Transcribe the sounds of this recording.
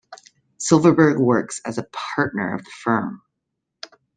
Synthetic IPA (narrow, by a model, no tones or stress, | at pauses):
sɪlˠvə˞bə˞ɡwɜ˞ksɨzəpʰɑɹtⁿnə̰˞ʌ̰vðəfɜ̃˞m